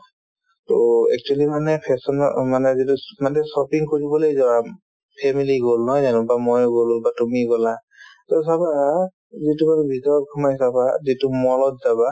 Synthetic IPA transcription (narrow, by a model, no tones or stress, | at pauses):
toɛ̰k̚t͡ʃualimanɛpʰɛsɔn̰manɛzitumanɛsɔpiŋkoɹibɔlojzɔwa | pʰɛmiliɡolnɔjzanɔbamojɡololbatumiɡɔla | tɔs̬aba | zitumanɛbʱitɔɹɔt̚kʰɔmajsabazitumɔlɔt̚zaba